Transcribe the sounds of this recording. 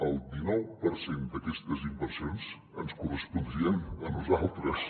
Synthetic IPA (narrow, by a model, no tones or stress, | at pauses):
əlˠd̪inɔwpəɾsend̪əkɛst̪əzimbəɾsijonz | ənskurəspund̪ɾiənənuzalˠt̪ɾəs